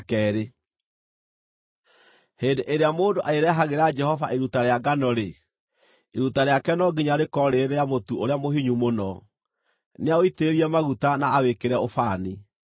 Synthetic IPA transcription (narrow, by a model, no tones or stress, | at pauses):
kɛːɾe | heːndeʔeɾeamoːndoʔaeɾɛɦaɣeɾad͡ʒɛhɔvaʔeɾutaɾeaɡanɔɾe | eɾutaɾeakɛnɔɡiɲaɾekɔɾeɾeaβotuoɾeamoɦiɲumonɔ | neaoiteeɾiɛmaɣutanaːwekeɾɛofaːni